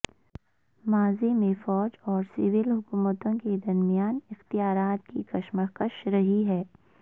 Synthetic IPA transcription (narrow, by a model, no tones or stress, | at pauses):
maːzimẽfɔːd͡ʒɔːɾsɪʋɪlɦʊkuːmət̪õked̪ɐɾmijaːnɪxt̪ijaːɾaːt̪kikɐʃməkəʃɾɐɦiɦɛː